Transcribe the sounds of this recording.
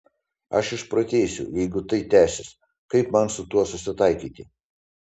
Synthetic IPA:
ɐʃɪʃpɾɐt̪ʲeːsʲʊ̰jɛɪɡʊt̪ɐɪt̪ʲæːsʲɪs | kɐɪpmɐnsʊt̪uɔsʊsʲɪt̪ɐɪkʲiːt̪ʲɪ

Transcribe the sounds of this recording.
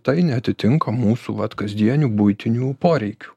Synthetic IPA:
t̪ɐɪnʲɛɐt̪ʲɪt̪ʲɪŋkɐmuːsṵʋɐt̪kɐzʲd̪ʲiɛnʲuːbʊɪt̪ʲɪnʲuːpoːɾʲɛɪkʲu̥

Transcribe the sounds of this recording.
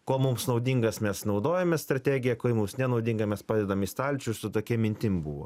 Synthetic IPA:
koːmʊmsnɐʊd̪ʲiŋɡɐsmʲɛsnɒʊd̪oːjɛmʲɛst̪ɾɐt̪ʲæːɡʲɪjɛkoːɪmʊmsnʲɛnɐʊd̪ʲɪŋɡɐmʲɛspɑːd̪ʲɛd̪ɐmiːst̪ɐlʲt͡ʃʲʊsʊt̪oːkʲiɛmʲɪnʲt̪ʲɪmbṵːʋo̰ː

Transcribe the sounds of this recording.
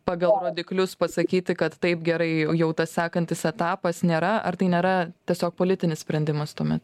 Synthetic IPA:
pɑːɡɐlˠroːd̪ʲɪklʲʊspɐsɐkʲiːt̪ʲɪkɐt̪tɐɪpɡʲɛɾɐɪjɛʊt̪ɐssʲæːkɐnʲt̪ʲɪsɛt̪ɑːpɐsnʲeːɾɐɐ̰ɾt̪ɐɪnʲeːɾɐt̪ʲiɛsʲoːk̚poːlʲɪt̪ʲɪnʲɪsʲpʲɾʲɛnʲd̪ʲɪmɐst̪uɔmʲɛt̪

